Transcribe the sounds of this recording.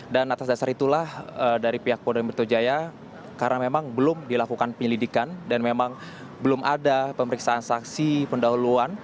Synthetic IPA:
danat̪as̬dasaɾit̪ulahədaɾipiɦak̚podanmbərt̪od͡ʒaja | kaɾnamemaŋbəlʊmdilakukanpəɲəlidikandanmemaŋ | bəlʊmʔa̰dapəməɾiksaːnsaksipəndaɦuluan

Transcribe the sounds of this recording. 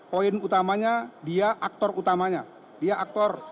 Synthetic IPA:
poinut̪amaɲadiaʔak̚t̪ɔrut̪amaɲa | diaʔak̚t̪ɔr

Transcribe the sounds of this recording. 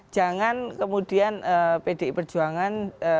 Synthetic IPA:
ʒ̥aŋankəmud̥ianəped̥eʔipərd͡ʒ̥uaŋanə

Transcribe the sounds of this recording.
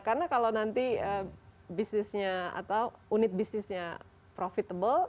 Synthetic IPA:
karnakalawnant̪iəbisnɪsɲaa̰t̪auunɪt̪̚bisnɪsɲa | pɾofit̪abəl

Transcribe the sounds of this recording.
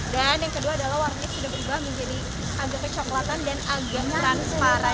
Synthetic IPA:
danjaŋkəduaːdalahwaɾnaksidahbəɾubaɦaŋmiɲd͡ʒadi | ʔaɡakət͡ʃɔklat̪andanaɡanɾanspaɾa

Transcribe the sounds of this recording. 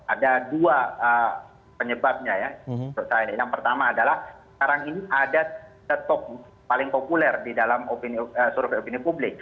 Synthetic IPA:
ʔadaduaə | pəɲəbap̚ɲajaʊsajaajaŋpərt̪amaːdalahsə̥kaɾaŋiniʔadaadat̪ok̚ut̪ | palɪŋpopulɛrdidalamopiniəsuɾʊfopinipublɪk̚

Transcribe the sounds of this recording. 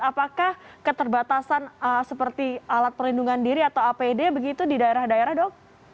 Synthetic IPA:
apakahkət̪ərbat̪asanəsəpərt̪ialat̪̚pərlinduŋandiɾiat̪awapedebəɡit̪udidaeɾahdaeɾahdɔŋ̚

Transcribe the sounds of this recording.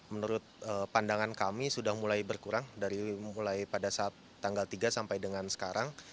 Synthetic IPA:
mənuɾʊt̪̚əːpandaŋankamisudahmulajbərkuɾaŋdaɾimulajpadasaːt̪ːaŋɡalt̪iɡasampajdəŋansə̥kaɾaŋ

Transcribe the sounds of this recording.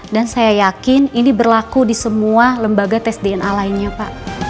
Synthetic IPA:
dansajajakɪninibərlakudisəmualəmbaɡat̪ɛsdeɛnalaɪnɲapa̰ʔ

